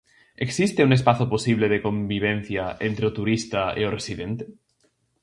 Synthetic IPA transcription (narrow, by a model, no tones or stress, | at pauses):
eksist̪eunespaθoposiβ̞leðekõ̞mbiβ̞en̟θjaʔent̪ɾeot̪uɾist̪aḛoresiðent̪e